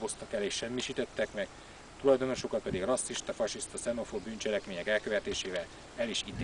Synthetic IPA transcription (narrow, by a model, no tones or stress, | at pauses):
bo̞st̪ɒkɛleːʃʃɛmːiʃiːt̪ɛt̪ːɛkmɛɡ̥ | t̪ulɒjd̪o̞no̞ʃo̞kɒt̪̚pɛd̪iɡrɒsːiʃt̪ɒfɒʃist̪ɒsɛno̞fobyːnt͡ʃɛlɛkmeːɲɛkɛlkø̞vɛt̪eːʃeːvɛl | ɛliʃit̪